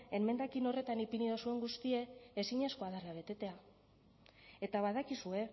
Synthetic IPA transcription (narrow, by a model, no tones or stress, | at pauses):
e̞me̞nd̪akino̞re̞t̪anipiniðosue̞ŋɡust̪ie̞ːsiɲesko̞aðaɾaβ̞e̞t̪e̞t̪e̞a | e̞t̪aβaðakisue̞